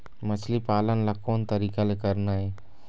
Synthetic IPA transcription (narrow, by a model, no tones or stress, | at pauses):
mət͡ʃʰlipaːlənlakoːnt̪əɾiːkalekəɾnaɦɛː